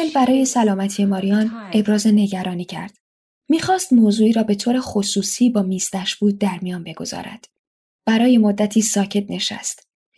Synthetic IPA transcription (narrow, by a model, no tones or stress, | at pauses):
elbæɾɒːje̞sælɒːmæt̪ʰiemɒːɾijɒːne̞bɾɒːze̞ne̞ɟæɾɒːniːcʰæ̰ɾd̪̥ | miːxɒːst̪moːzuːiːɾɒːbe̞t̪ʰoːɾe̞xosuːsiːbɒːmiːst̪æʃbuːd̪̚d̪æɾmijɒːnbe̞ɡo̞̰z̥ɒ̰ːɾæ̰d̪̥ | b̥æɾɒːje̞mod̪ːæt̪ʰiːsɒːcʰe̞t̪ne̞ʃæ̰st̪